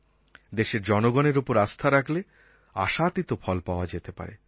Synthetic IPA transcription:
d̪eʃeɾd͡ʑɔnoɡɔneɾupoɾast̪ʰaɾakʰle | a̰ʃat̪it̪ofʰɔlpaoad͡ʑet̪epa̰ɾḛ

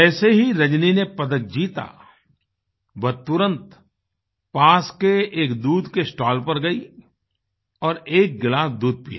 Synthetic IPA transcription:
ɛːseɦiɾɐd͡ʒninepɐd̪ək̚d͡ʒiːt̪a̰ | bɐt̪ːʊɾə̃nt̪ | paːskeeːkd̪uːd̪ʱkesʈaːlpɐɾɡɐi | ɔːɾeːk̚ɡɪlaːsd̪uːd̪̚pḭja̰ː

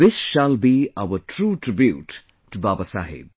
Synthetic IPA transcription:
ɪsʃalbiaʋəʈʰɾuːʈɾɪbjṵːʈː | ubaːbəsa̰ːɦḛ

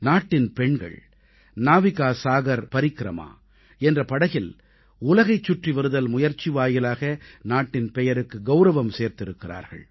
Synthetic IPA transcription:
naːʈːɪnpɛɳɡɐ̰ɭ | naːʋɪɣaːsaːɣɐɾpɐɾɪkːɪɾɐ̰ma̰ː | ɛndrɐpɐɽɐɣɪl | ʊlɐɣɐɪt͡ʃːʊʈriʋɐɾɯðɐlmʊjɐɾt͡ʃːiʋaːjɪlaːɣɐnaːʈːɪnpɛjɐɾɯkːɯɡɐʊɾɐʋɐmseːɾt̪ɪɾɯkːɪra̰ːɾɣɐ̰ɭ

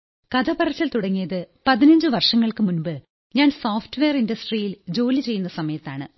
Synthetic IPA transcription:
kɐd̪ʱɐpɐrɐt͡ɕːɐlt̪uɽɐŋːijɐðɨpɐðinɐɲd͡ʑɨʋɐrʂɐŋːɐɭkɨmunbɨ | ɲaːnsoːfʈʋeːɐrindɐsʈrijild͡ʑo̞ːlit͡ɕe̞jːunːɐsɐmɐjɐt̪ːaːɳɨ̰

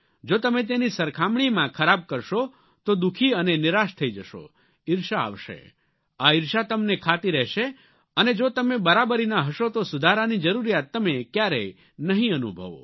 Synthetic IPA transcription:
d͡ʒot̪əmẽt̪̬enisəɾkʰamɳ̃imãkʰəɾab̚kəɾʃo | t̪od̪ukʰiənenɪɾaʃt̪ʰəid͡ʒəʃo̰ | ɪɾʃaa̰ʋʃḛ | aɪɾʃat̪əmnekʰat̪iɾɛɦʃe | əned͡ʒot̪əmebəɾabəɾinaɦəʃot̪osʊd̪ʱaɾanid͡ʒəɾuɾijat̪ːəmekjaɾḛ | nəɦĩənṵbʱə̰ʋo̰

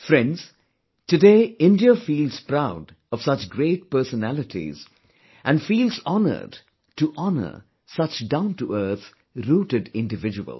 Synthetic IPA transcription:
fɾɛ̃ndz̥ | tɨdeːɪ̃ndiəfiːlˠz̥pɾaʊd | ʌv̥sʌt͡ʃɡɾeɪt̚pɜ˞sənælɨtḭz̥ | ʔæ̃nfiːlˠzɑnə̰˞d | tuʔɑnə̰˞ | sʌt͡ʃdãʊ̃ntuʔə˞t̪ | ɾuːɾɨdɪ̃ndɨvɪd͡ʒəwə̰lˠ

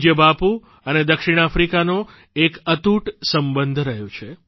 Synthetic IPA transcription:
d͡ʒjəbapu | əned̪əkʃiɽ̃afɾikano | ekət̪uʈsəmbənd̪ʱɾəɦjõt͡ʃʰe

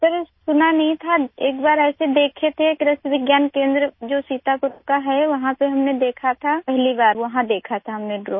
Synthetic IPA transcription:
pəɾsʊnanɐɦĩt̪ʰaeːkbaːɾɛːsed̪eːkʰet̪ʰekɾɐsbɪɡjaːnkẽːnd̪ɾəd͡ʒoːsiːt̪akɾokaɦɛʋɐɦãpeɦɐmned̪eːkʰat̪ʰapɛɦlibaːɾʋɐɦãd̪eːkʰat̪ʰaɦɐmneɖɾoː

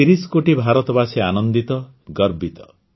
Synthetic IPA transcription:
iɾisɔkoʈibʱaɾɔt̪ɔbaseanɔnd̪it̪ɔ | ɡɔɾbit̪ɔ̥

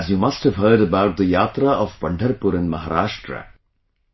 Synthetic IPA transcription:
zjumʌsthəvɦɜːɖəbaʊʈ̚d̪əjaːt̪ɾaʔɔv̥pʌ̃ɳɖʰʱəɾpʊɾɪ̃nmɐɦaɾaːʃʈɾə̰

